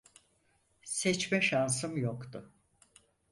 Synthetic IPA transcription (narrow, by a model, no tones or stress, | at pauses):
sɛt͡ʃmɛʃans̬ɯmjokt̪ʊ